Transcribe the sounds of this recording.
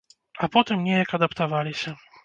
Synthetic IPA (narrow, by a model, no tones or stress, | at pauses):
apɔt̪ɛmɲɛjakad̪apt̪avalʲiɕɛ